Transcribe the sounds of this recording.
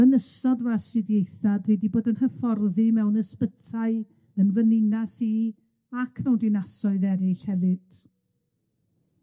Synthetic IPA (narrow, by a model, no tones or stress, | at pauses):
ənəsɔdvasrɪðjejθadwɛdiboːdənhəfɔrðɨmɛwnəspətʰaɨ | ənvənɪnasi | akʰmɛwndɪnasɔɨðɛɾɪɬhɛvɨd̥